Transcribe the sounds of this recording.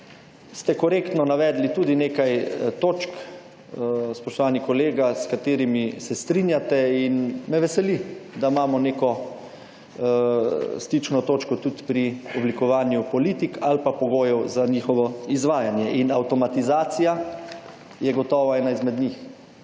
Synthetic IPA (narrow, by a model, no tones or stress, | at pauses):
st̪ɛkɔɾeːkt̪nɔnaʋɛːd̪lit̪uːd̪ineːkajt̪oːt͡ʃk | spɔʃt̪ɔʋaːnikɔleːɡaskat̪eːɾimisɛst̪ɾinjat̪ɛinmɛʋɛsɛlid̪amaːmɔneːkɔ | st̪it͡ʃnɔt̪oːt͡ʃkɔt̪ut̪pɾiɔblikɔʋaːnjupɔlit̪ikalpapɔɡoːjɛwzanixɔʋɔizʋaːjanjɛʔinawt̪ɔmat̪izaːt̪sija | jɛɡɔt̪ɔːʋaɛːnaizmɛd̪ɲix